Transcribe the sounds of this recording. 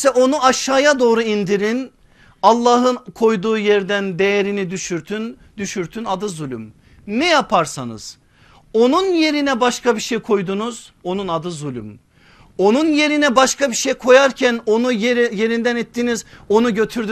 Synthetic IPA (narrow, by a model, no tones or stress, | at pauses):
sɛʔo̞nuaʃaːjad̪o̞ːɾuind̪iɾin | alˠːaːɦɯnkʰo̞jd̪uːjɛɾd̪ænd̪e̞jeɾinid̪yʃyɾt̪ʰyn | d̪yʃyɾt̪ʰynad̪ɯzulʲy̰m | nɛjapʰaɾsa̰nɯ̰z̥ | o̞nunje̞ɾinɛbaʃkʰabiʃejkʰo̞jd̪unuz̥o̞nunad̪ɯzulʲy̰m | o̞nunje̞ɾinɛbaʃkʰabiʃejkʰo̞jaɾcʰæno̞nujje̞ɾind̪ænit̪ʰːinizo̞nuɟø̞t̪ʰyɾd̪y